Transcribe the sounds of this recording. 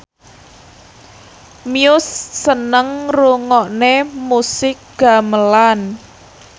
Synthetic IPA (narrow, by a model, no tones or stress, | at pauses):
miʊsːənəŋruŋɔʔnemusɪk̚ɡ̥a̤məlan